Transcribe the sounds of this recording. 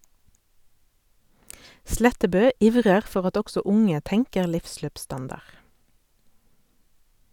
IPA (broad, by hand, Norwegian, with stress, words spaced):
ˈslɛtəbøː ˈɪʋʁəʁ ˈfɔʁ ˈɑt ˈɔɡsɔ ˈʊŋə ˈtɛŋkəʁ ˈlɪfˌsløːpˌstɑndɑʁ